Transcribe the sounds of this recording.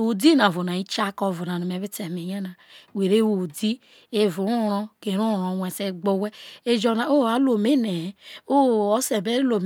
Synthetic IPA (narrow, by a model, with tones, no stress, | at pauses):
o˨di˦na˨vo˨na˨i˦t͡ʃa˦ko˦vu˨na˨no˨me˨˦βi˦te˨me˨ɲa˦na˨we˨ɾe˦wo˨di˦ | e˦vu˨˦o˦ɾo˦ke˨˦ɾu˦˨ɾo˨wʷe˨se˦ɡ͡bo˦we˦e˦d͡ʒo˦na˨o˦˨a˨˦lo˨me˦ne˨˦o˦˨o˦se˨be˦lo˨m